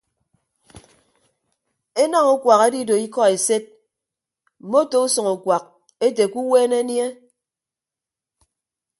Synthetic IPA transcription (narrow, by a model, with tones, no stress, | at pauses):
e˦na˦ŋu˦kʷwa˨ka˨˦di˦do˨i˦kɔ˦e˨se˦t̚ | m̩˨mo˦to˨u˦sɔ˨ŋu˨kwa˨k̚ | e˦te˨ku˦weː˦ne˦nje˦